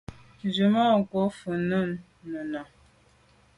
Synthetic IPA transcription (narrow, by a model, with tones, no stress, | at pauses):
n˨d͡ʒu˨ma˦˨ko˦fə˨nə˦˨nː | ə˨na˨